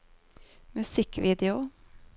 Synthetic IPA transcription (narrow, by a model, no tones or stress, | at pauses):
mʉsɪkʋiːd̪ɪʊ